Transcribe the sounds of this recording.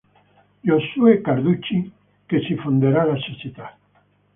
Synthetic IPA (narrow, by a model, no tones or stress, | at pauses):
joswekaɾðut͡ʃi | kesifond̪eɾalasesit̪a